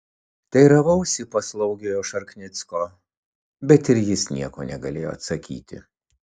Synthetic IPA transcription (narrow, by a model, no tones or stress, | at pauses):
t̪ɐɪɾɐʋɐʊsʲipɐslˠɐʊɡʲejoːʃɐɾknʲɪt̪skoː | bʲɛt̪ɪɾjɪsnʲiɛkoːnʲɛɡɐlʲeːjoːɐt̪sɐkʲḭːt̪ʲɪ̰